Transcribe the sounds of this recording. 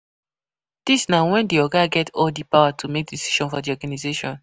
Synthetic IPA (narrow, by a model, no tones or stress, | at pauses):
d̥isnawɛ̃ndiɔɡaɡɛtʰɔldipawatʰumek̚disi̥ʃɔ̃nfɔdiɔɡanizeʃɔ̃n